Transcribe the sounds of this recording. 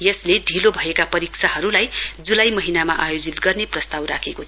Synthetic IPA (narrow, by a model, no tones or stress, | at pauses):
jʌsleɖʱilobʱʌekapʌɾiksʰaɦʌɾulajd͡zulajmʌɦinamaʔajod͡zit̪ɡʌrneprʌst̪awɾa̰kʰeko